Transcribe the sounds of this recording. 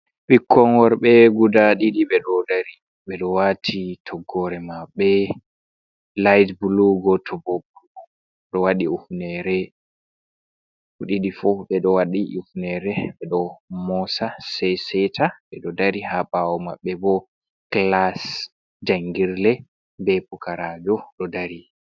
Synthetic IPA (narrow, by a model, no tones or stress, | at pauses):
bikʰːɔnwɔɾɓɛɡudaɗiɗiɓɛɗɔdaɾi | ɓɛɗɔwatʰitʰɔɡːɔɾɛmaɓːɛ | lajdbuluɡɔtʰɔbɔbuɔ | ɗɔwaɗiufnɛɾɛ | huɗiɗifɔɓɛɗɔwaɗiʔufnɛɾɛɓɛɗɔmɔsasɛjsɛtʰaɓɛɗɔdaɾihabawɔma̰ɓːɛbɔ | klas | d͡ʒaŋɡiɾlɛ | bɛpukaɾad͡ʒɔɗɔdaɾi